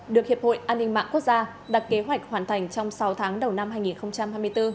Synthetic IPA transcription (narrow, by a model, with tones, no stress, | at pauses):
ɗɨ˨˩ək̚hi˨˩əp̚ho̰˧˨jʔaː˧nːï˧ŋ̟ma̰ː˧˨ŋku˦˥ək̚zaː˧ | ɗa˨˩t̚ke˨˦ɦwa˨˩jk̟̚hwaː˨˩nt̪ʰa˨˩jŋ̟t͡ɕɔ˧wŋ͡msa˨˦wt̪ʰaː˨˦ŋɗə˨˩wna˧mɦaː˧jŋi˨˩nxə˧wŋ͡mt͡ɕa˧mhaː˧jmɨ˧əjt̪ɨ˧